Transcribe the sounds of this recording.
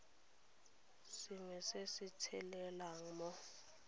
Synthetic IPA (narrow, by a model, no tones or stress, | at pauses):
siŋɛsesitʰɛlɛlaŋ̩mɔ